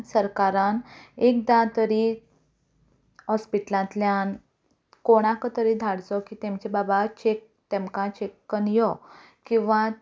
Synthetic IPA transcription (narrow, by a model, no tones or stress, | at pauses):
səɾkaɾanek̚d̪ãt̪əɾi | ɦɔspiʈlãt̪ljan | koɽ̃ãkət̪əɾid̪ʱaɽd͡zɔkit̪emt͡ɕebabat͡ɕek̚ | t̪ẽmkãt͡ɕekːənjɔ | kĩw̃ʋã